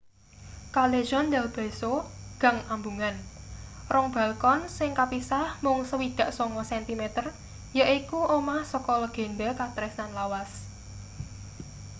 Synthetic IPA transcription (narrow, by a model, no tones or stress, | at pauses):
kaleʒɔndɛlb̥e̤soɡ̥a̤ŋambuŋan | rʔɔŋb̥a̤lkɔnsɪŋkapisahmʊŋsəwid̪̥ä̤ʔsɔŋɔsɛnt̪imɛt̪ər | jəʔikuʔomahsɔkɔlɔɡ̥e̤nɖɛkat̪ɾɪsnanlawas